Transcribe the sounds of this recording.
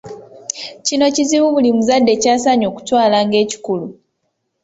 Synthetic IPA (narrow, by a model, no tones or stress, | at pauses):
cino̞ciziβuβulimuzadːe̞caːsaɲo̞ːku̥twaːlaːŋɡe̞ːci̥kulu